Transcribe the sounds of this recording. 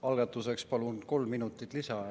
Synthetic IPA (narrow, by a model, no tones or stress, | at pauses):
ɑlɡ̥ɑt̪ːˑuse̞kspɑlunko̞lmːinut̪ːˑit̪ːˑlisɑ